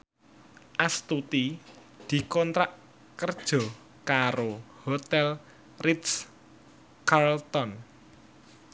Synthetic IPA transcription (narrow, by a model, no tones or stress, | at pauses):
ʔast̪ut̪i | d̪̥i̤kɔnt̪ɾaʔ | kərd̥ʒ̥ɔ̤ | kaɾohot̪ɛl | rit̪s | karlt̪ɔn